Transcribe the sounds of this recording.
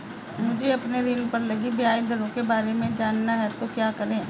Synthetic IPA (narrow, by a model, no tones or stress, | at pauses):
mʊd͡ʒʱeɐpneɾinpɐɾlɐɡibiaːid̪ɐɾõkebaːɾemẽd͡ʒaːnːaɦɛt̪okjaːkɐɾẽː